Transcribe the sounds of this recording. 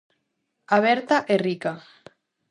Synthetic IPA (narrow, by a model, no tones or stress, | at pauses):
aβ̞ɛɾt̪aʔerika